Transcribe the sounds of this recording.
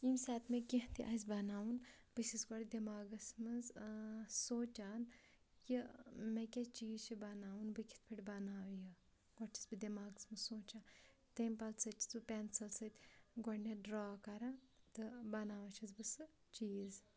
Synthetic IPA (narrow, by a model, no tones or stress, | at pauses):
imsʲaːt̪mekʲiɦt̪iʔazbɐnaːwunbɨsisɡɔɽʲd̪ʲemaːɡɐsmɨz | soːt͡ʃaːn | jimekʲet͡ʃiːzt͡ʃʰibɐnaːwunbɨkʲʰi̥t̪̚ʰpʰɐʈʲbɐnaːʋjɨ | ɡɔʈt͡ʃʰi̥sbɨd̪ʲemaːɡɐsmɨzsoːt͡ʃaː | t̪ɐmpɐlt͡sɐt͡ʃʰi̥t͡sɨpʲɛnsɐlsɐt̪ʲɡɔɽneɖɾaːkɐɾãːt̪ɨbɐnaːʋɐt͡ʃʰɐzbɨsɨ | t͡ʃiːz